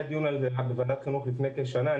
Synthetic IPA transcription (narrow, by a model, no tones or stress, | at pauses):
d̪ijunalzeabevanat̪χinuχlifnejkeʃana